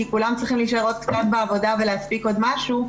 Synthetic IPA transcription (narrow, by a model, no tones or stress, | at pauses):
ikulamt͡sʁiχimliʃaeʁo̞t̪̚kt͡sat̪beavo̞dave̞leaspiko̞d̪maʃu